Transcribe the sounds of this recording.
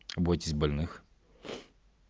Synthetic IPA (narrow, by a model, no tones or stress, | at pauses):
ɐbɔtʲɪsʲbɐlʲnɨx